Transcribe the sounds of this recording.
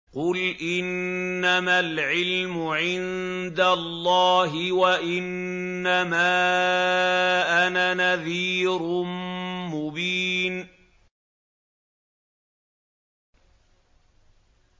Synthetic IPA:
qʊlʔɪnːamalʕɪlmʊʕɪn | d̪alˤːɑːɦɪwaʔɪnː | amaː | ʔananaðiːɾʊ | mʊbiːn

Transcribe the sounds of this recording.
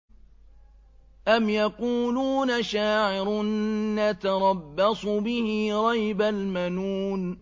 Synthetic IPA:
ʔamjaquːluːnaʃaːʕɪɾʊnːat̪ɑɾˤɑbːɑsˤʊbɪhɪɾˤɑjbalmanuːn

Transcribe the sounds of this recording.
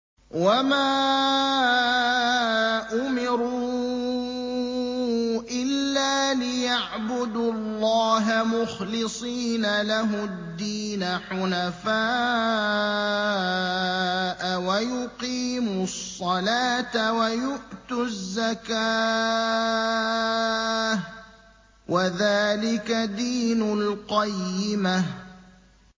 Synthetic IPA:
wamaː | ʔʊmɪɾuː | ʔɪlːaːlɪjaʕbʊd̪ʊlˤːɑːɦamʊxlɪsˤiːnalaɦʊd̪ːiːnaħʊnafaː | ʔawajʊqiːmʊsˤːɑlaːt̪awajʊʔt̪ʊzːakaː | wʔaðaːlɪkad̪iːnʊlqɑjːɪma

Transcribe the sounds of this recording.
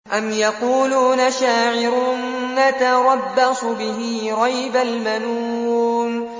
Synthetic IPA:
ʔamjaquːluːnaʃaːʕɪɾʊn | ʔat̪aɾˤɑbːasʊbɪɦiːɾˤɑjbalmaluːm

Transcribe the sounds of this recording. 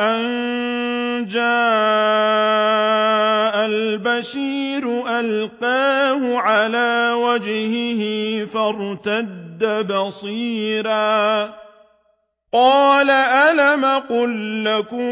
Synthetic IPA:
ʔan | d͡ʒaː | ʔalbaʃiːɾʊʔalqaːhʊʕalaːwad͡ʒhɪhɪfaɾˤt̪ad̪ːabɑsˤiːɾaː | qɑːlaʔalamaqʊlːakʊ

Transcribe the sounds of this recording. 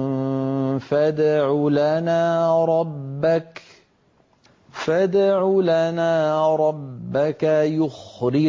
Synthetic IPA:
fad̪ʕulanaːɾˤɑbːak | fad̪ʕulanaːɾˤɑbbːakajʊxɾɪ

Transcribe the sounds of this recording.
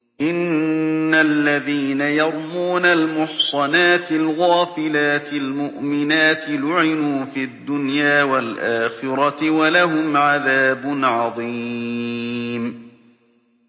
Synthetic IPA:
ʔɪnː | alːaðiːnajɑɾˤmuːnalmʊħsˤɑnaːt̪ɪlɣaːfɪlaːt̪ɪlmʊʔmɪnaːt̪ɪlʊʕɪnuːfiad̪ːʊnjaːwalʔaːxɪɾɑt̪ɪwalaɦʊmʕaðaːbʊnʕɑðˤiː | m

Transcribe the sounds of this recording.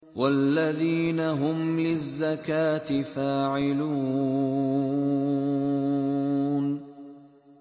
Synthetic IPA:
walːaðiːnaɦʊmlɪzːakaːt̪ɪfaːʕɪluː | n

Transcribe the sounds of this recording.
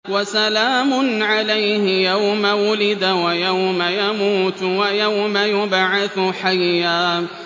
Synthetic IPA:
wasalaːmʊnʕalajhɪjawmawʊlɪd̪awajawmajamuːt̪wajawmajʊbʕaθʊħajːaː

